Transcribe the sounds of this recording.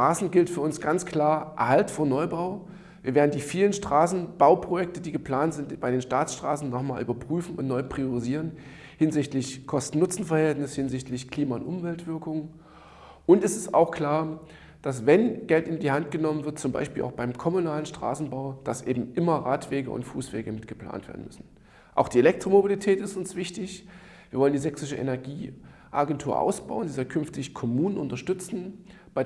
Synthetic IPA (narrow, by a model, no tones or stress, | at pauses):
ʁ̥aːsn̩ɡɪltfyːɐʊnsɡ̥ant͡skl̥aːɐʔɛɐhaltfoːɐnɔʏbaʊ | viːɐveːɐdn̩diːfiːlənʃtʁ̥aːsn̩b̥aʊpʁ̥ojɛk̚tədiːɡəpl̥aːntz̥ɪntb̥aɪɾeːnʃtaːsʃtʁ̥a̰ːsn̩ːɔχmaːlʔyːbɐpʁ̥yːfn̩ʊntnɔʏpʁ̥iʊʁiziːʁ̞ən | hɪnzɪçtlɪçkʰɔstn̩nʊt͡sn̩fɐhɛltnɪshɪnzɪçtlɪçkʰl̥iːmaʊ̰ntʔʊmvɛltv̥ɪɐkʊŋə | ʔʊntɛsɪsta̰ʊxkl̥aːɐ | d̥as̬vɛnɡ̥ɛltɪndiːhantɡ̥ənɔmənvɪɐt̚t͡sʊmba̰ɪʃpiːlʔa̰ʊxb̥aɪmkʰɔmunaːlənʃtʁ̥a̰ːsn̩baʊd̥asʔḛːbm̩ʔɪmɐʁaːtv̥eːɡə̰ʔʊ̰ntfuːsv̥ḛːɡəmɪtɡ̥əpl̥a̰ːntv̥ḛɐdn̩mʏ̰sn̩ | ʔaʊxd̥iːelɛk̚tʁ̥omobilitʰɛːtɪstʊnsv̥ɪçtɪç | v̥iːɐvɔləndiːzɛksɪʃəʔɛ̰nɛɐɡiː | ʔaɡɛntʰuːɐʔa̰ʊsb̥a̰ʊəndiːzakʰʏnftɪçkʰɔmuːnənʔʊntɐʃtʏt͡sn̩ | b̥aɪ